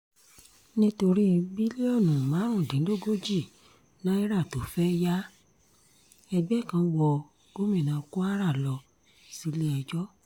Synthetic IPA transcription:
nĩ˦to˧ɾi˦˧bi˦li˦ɔ˦˨nũ˨mã˨˦ɾ̃ũ˦˨dĩ˨˦lo˦˨ɡo˦d͡ʒi˦˨ | nã˦i˦ɾa˦˨to˨˦fɛ˦ja˦ | ɛ˧ɡ͡bɛ˦˨kã˧wɔ˧ | ɡ̥o˦mĩ˦˨nã˨ko˦a˦ɾa˦˨lɔ˧ | si˨˦le˦ɛ˧d͡ʒɔ˦

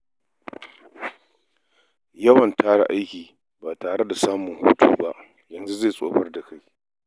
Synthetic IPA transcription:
jɐ˦wɐ˨ntaː˦ɽa̰˨ʔa˦jkʲiː˨ | baː˨taː˨ɽe˦da˨saː˦mʊ˨ŋhuː˦tṵː˨ba˦ʔ | jɐ˨nzu˦zeː˦˨sʼo̰ː˦ɸɐ˦rda˨ka˦j

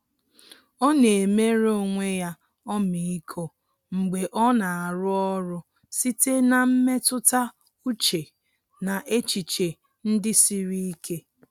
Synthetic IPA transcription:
ɔ˦ne˨me˦ɾo˦˨ŋʷe˦ja˦ | ɔ˦mi˨i˦kʰo˦ | ŋ͡m̩˨ɡ͡be˨ʔɔ˦na˨a˨ɾʊ˦ɔ˦ɾʊ˦ | si˦te˦na˨m̩˦me˦tʊ˦ta˦ | u˦t͡ʃe˨ | na˨ʔe˦t͡ʃi˨t͡ʃe˨ | n̩˦dɪ˦si˦ɾi˦kʰe˦

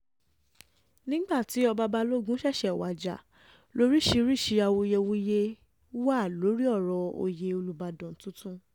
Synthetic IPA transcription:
nĩ˦ɡ͡ba˦˨ti˨˦ɔ˧ba˧ba˧lo˦ɡũ˦ʃɛ˦˨ʃɛ˨wa˨d͡ʒa̰˨ | lo˨˦ɾi˦ʃi˧˦ɾi˦˨ʃi˧a˧wo˧je˧wo˧je˧˦ | wa˦˨lo˨˦ɾi˦ɔ˦˨ɾɔ˧o̰˧je˧o˧lu˧ba˧dɔ̃˨n˨˦tũ˦tũ˦

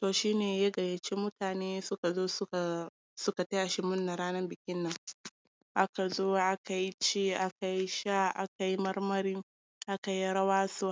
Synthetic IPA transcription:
toː˨ʃiː˦neː˨ja˦ɡɐ˨jɐ˨t͡ʃe˦mʊ˦taː˨neː˦sʊ˦ka˨zoː˦sa˨ | sʊ˦ka˨tɐ˦ja˨ʃɪ˦mʊ˦nːa˨ɾaː˦nɐ˦mbɪ˨kʲɪ˦nːɐ˦˨ŋ | ʔa˦ka˨zoː˦ʔa˦ka˨ji˦t͡ʃeː˦ʔa˦ka˨ji˦ʃa˦ʔa˦ka˨ji˦mɐ˦rmɐ˦ɾɪ˦ŋ | ʔa˦ka˨ji˦ɽɐ˦waː˦soː˦

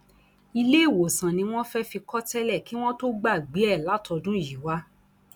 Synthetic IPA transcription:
i˧le˦i˦˨wo˨sã˨nĩ˧w̃ɔ̃˦fɛ˦fi˧kɔ˦tɛ˦lɛ˦˨ki˨˦w̃ɔ̃˦to˦ɡ͡ba˦˨ɡ͡bi˨˦ɛ˦˨la˨˦tʰɔ˧dũ˦˨ji˨wa˦

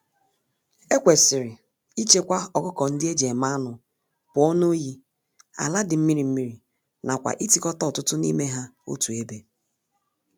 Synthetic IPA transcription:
e˦kʷe˨sɪ˨ɾɪ˨ | i˦t͡ʃe˦kʷa˦ɔ˨kʊ˦kɔ˨n̩˦dɪ˦e˦d͡ʒe˨ma˦nʊ˨ | pʊ˨ɔ˦no˦ji˦ | a̰˨la˦dɪ˨m̩˦mi˦ɾi˨m̩˦mi˦ɾi˨ | na˨kʷa̰˨ʔi˦ti˨kɔ˦tɔ˦˨tʊ˦tʊ˦nḭ˦me˦ɦa˦o̰˦tu˨e˦be˦

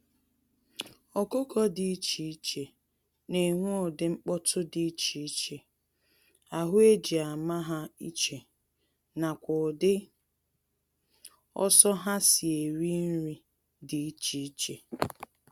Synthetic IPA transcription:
ɔ˨ko˦kɔ˦dɪ˨i˦t͡ʃi˨i˦t͡ʃe˨ | ne˨ŋʷu˦ʊ˨dɪ˨ŋ͡m̩˦k͡pɔ˦tʰʊ˦dɪ˨˦t͡ʃi˨i˦t͡ʃe˨ | a˨ɦʊ˦e˦d͡ʒi˨a˨ma˦ɦa˦i˦t͡ʃe˨ | na˨kʷʊ˨dɪ˦ | ɔ̰˦sɔ˦ɦa˦si˨e˨ɾi˦n̩˦ɾi˦ | di˨i˦t͡ʃi˨i˦t͡ʃe˨

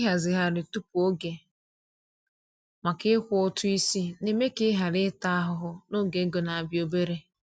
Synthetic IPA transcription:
ɦa˨zɪ˨ɦa˦ɾɪ˨tu˦pu˨o˦ɡe˨ | ma˨kɪ˦kʷʊ˦ʊ˦tʊ˦i˦si˦ne˨me˦kɪ˦ɦa˨ɾɪ˦ta˦a˦ɦʊ˦ɦʊ˦no˦ɡe˨˦ɡo˨na˨a˨bjo˦be˦ɾe˦

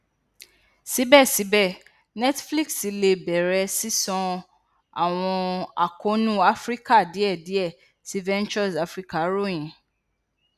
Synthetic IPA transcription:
si˨˦bɛ˦˨si˨˦bɛ˦˨ | nɛ˦tfli˦ksi˨˧le˧bɛ˨ɾɛ˧si˦sɔ̃˧ | a̰˨w̃ɔ̃˧a̰˨ko˨˦nũ˦a˦fɾi˦ka˦˨di˨˦ɛ˦˨di˨˦ɛ˦˨ | si˨˦vɛ̃˦nt͡ʃɔ˦˨sa˦fɾi˦ka˦˨˦ɾo˦˨j̃ĩ˨˦

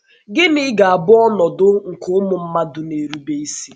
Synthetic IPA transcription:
ɡɪ˦nɪ˦ɡa˨a˨bʊ˦ɔ˦nɔ˨dʊ˦ŋ̩˨kʰʊ˦mʊ˨m̩˦ma˦dʊ˨ne˨ɾu˦be˦i˦si̥˦

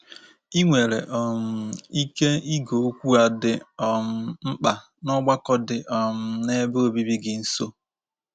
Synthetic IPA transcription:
i˦ŋʷe˨ɾe˨ʔɔ˨m̩˨i˦ke˦i˦ɡo˨˦kʷu˦a˨dɪ˨ɔ˨m̩˨m̩˦k͡pa˨ | nɔ˦ɡ͡ba˦kɔ˦dɪ˨ʔɔ˨m̩˨ne˦bo˦bi˦bi˦ɡɪ˨n̩˦so˦

